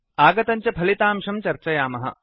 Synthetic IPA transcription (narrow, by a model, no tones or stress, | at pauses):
aːɡɐt̪ɐɲt͡ʃɐpʰɐlit̪aːmʂɐmt͡ʃɐɾt͡ʃɐjaːmɐɦɐ̰